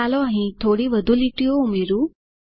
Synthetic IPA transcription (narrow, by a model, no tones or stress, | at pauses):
alɔaɦĩt̪ʰoːɽiʋəd̪ʱuliʈijoumeɾu